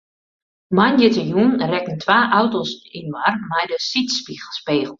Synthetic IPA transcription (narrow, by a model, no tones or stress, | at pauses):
majnjətəjunrɛkən̩tʰʋaːʔawtosinwarmajdəsitspiɣəl̩ˠspeːɣəl̩ˠ